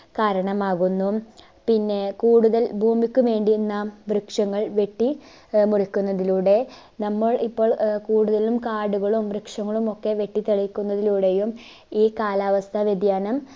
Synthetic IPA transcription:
kaːɾɐɳɐmaːɣunːu | pinːe̞kuːɽuðɐlbʱuːmikʲːuʋe̞ːɳɖienːamʋrɨkʂɐŋːɐɭʋe̞ʈːi | murikʲːunːɐðiluːɽe̞ | nɐmːɐɭipːo̞ːɭkuːɽuðɐlumkaːɽuɣɐɭumʋrɨkʂɐŋːɐɭumo̞kːe̞ʋe̞ʈːit̪eɭikʲːunːɐðiluːɽe̞jum | iːkaːlaːʋɐst̪ʰɐʋjed̪jaːnɐm

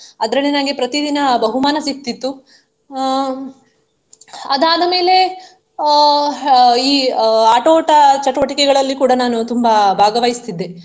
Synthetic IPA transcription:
ɐd̪ɾɐɭenɐɡepɾɐt̪id̪inɐbɐɦumaːnɐsik̚t̪it̪ːu | ɐd̪aːd̪ɐme̞ːle̞ | iːaːʈoːʈɐt͡ʃɐʈuʋɐʈikɛɡɐɭɐlːikuːɽɐnaːnut̪umbɐbʱaːɡɐʋɐjist̪id̪ːe

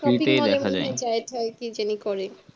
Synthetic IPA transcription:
ɾiit̪ejd̪ɛkʰad͡ʒa̰et͡ɕaetʰaekid͡ʑenikɔɾe

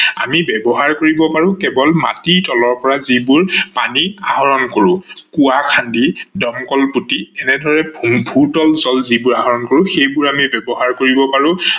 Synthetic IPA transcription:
a̰mibɛbɔɦaɹkoɹibɔpaɹʊ̃kɛbɔlma̰titɔlɔɹpɔɹazibuɹpa̰niaɦɔɹɔnkoɹʊ̃kuakʰandidɔmkɔlputiɛnɛdʱɔɹɛbʱutɔlzɔlzibuɹaɦɔɹɔnkoɹʊ̃xejbuɹamibɛbɔɦaɹkoɹibɔpaɹʊ̃

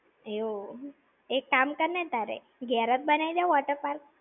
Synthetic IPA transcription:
eo | ekːamkəɾnet̪aɾḛ | ɡɛɾət̪̚bənajd̪jaʋɔʈəɾpaɾk̚

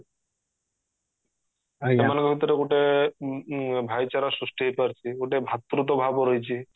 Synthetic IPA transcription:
amanekbʱit̪oɾeɡoʈe | bʱajt͡ɕaɾasusʈiɦepaɾt͡ɕʰioʈebʱat̪ːɾut̪̬obʱaboɾojt͡ɕʰi

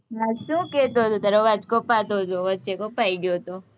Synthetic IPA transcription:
ɦasũːket̪oɦot̪ot̪ɐɾoʋat͡ʃkopat̪oot̪oʋətːt͡ʃekopaiɡjot̪o

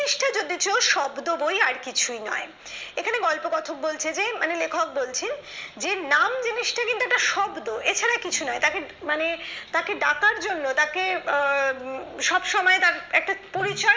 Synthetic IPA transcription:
iʃʈad͡ʑod̪it͡ɕeoʃɔbd̪obojaɾkit͡ɕʰujnɔ̰e | ekʰaneɡɔlpoɡɔt̪ʰok̚bolt͡ɕʰed͡ʑemanelekʰok̚bolt͡ɕʰend͡ʑenamd͡ʑiniʃʈʰakint̪uek̚ʈaʃɔbd̪oet͡ɕʰaɾakit͡ɕʰunɔet̪akemanet̪akeɖakaɾd͡ʑonːot̪ake | ʃɔbʃɔmɔet̪aɾɛk̚ʈapoɾit͡ɕɔ

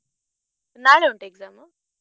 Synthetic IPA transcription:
naːɭeːuɳʈeːɡzaːm

